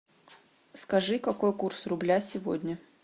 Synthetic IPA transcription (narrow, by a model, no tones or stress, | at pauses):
skɐʐɨkɐko̞jkursrʊblʲasʲɪvo̰dʲnʲə